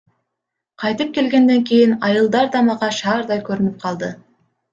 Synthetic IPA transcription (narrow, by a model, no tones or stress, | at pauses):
qʰɑjt̪əp̚kʲʰe̞lɡʲe̞nd̪eŋkʲʰe̞jɪnɑjəlˠd̪ɑɾd̪ɑmɑʁɑʃɑɾd̪ɑjkʲʰɵɾɪnɪp̚qʰɑlˠd̪ə